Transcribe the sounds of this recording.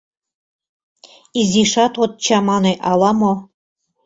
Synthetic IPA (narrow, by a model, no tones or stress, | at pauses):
iziʃɑt̪ot̪̚t͡ɕɑmɑneʔɑlˠɑmo